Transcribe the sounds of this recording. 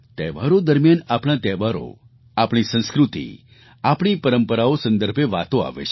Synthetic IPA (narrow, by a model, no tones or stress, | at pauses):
t̪ɛʋaɾod̪əɾmjanapɳ̃at̪ɛʋaɾo̰ | apɽ̃isə̃w̃skɾut̪ḭ | apɽ̃ipəɾəmpəɾaosə̃nd̪əɾpʰeʋat̪oa̰ʋḛɕ